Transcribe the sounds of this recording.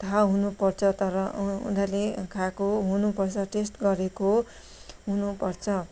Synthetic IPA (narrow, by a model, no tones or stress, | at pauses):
t̪ʰaɦunupʌrt͡sʰʌt̪ʌɾʌṵd̪alekʰakoɦunupʌrt͡sʰʌʈesʈɡʌɾeko | ɦunupʌrt͡sʰʌ